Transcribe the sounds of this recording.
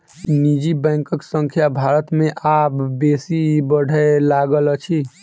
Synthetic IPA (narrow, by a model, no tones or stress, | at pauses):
nid͡ʒibɛ̃ŋkəksə̃ŋkʰjabʱaɾət̪mẽʔapbesibəɽʱəlaɡələt͡ʃʰi